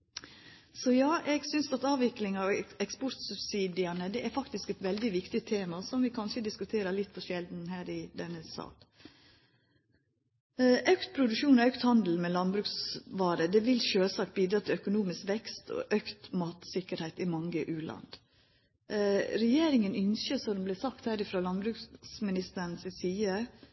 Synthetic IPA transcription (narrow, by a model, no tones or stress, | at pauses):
sɔjɑːʔɛɡsʏnsɑt̪ɑːʋɪklɪŋɑʋɛkspɔɾt̪sʉbsiːd̪ɪɑnəd̪ɛæɾfɑkt̪ɪskɛt̪ʋɛld̪ɪʋɪkt̪ɪt̪ʰeːmɑsɔmʋɪkʰɑnʃəd̪ɪskʉt̪ʰeːɾəlɪt̪ːfʰɔʃɛld̪n̩ɦæːɾɪd̪ɛnːəsɑ̰ːl | ʔœkt̪̚pʰɾʊd̪ʉʃuːnɔœkt̪hɑnd̪l̩mɛlɑnbɾʉːksʋɑːɾəd̪ɛʋɪlʃøːlsɑk̚biːd̪ɾɑːt̪ʰɪœkʊnuːmɪskʋɛkst̪ʰɔ̰ʔœkt̪mɑːt̪sɪkəɾhæɪt̪ɪmɑŋəʔʉːlʔɑ̰nd̪ | ɾɛjeːɾɪŋənʏnsəsɔd̪ɛmblɛsɑk̚t̪hæːɾɪfɾɑːlɑnbɾʉːksmɪnɪst̪əɾn̩sɪsiːə